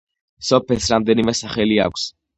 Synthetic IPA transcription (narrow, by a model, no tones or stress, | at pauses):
sɔpʰɛsɾamd̪ɛnimɛsaχɛlia̰kʷʰs